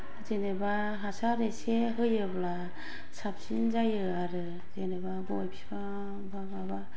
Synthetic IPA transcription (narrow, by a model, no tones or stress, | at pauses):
zeneba | ɦasaɾeseɦɯjɯbla | sap̚sinzajɯaɾɯ | zenebaɡɔjpʰi̥sba | bababa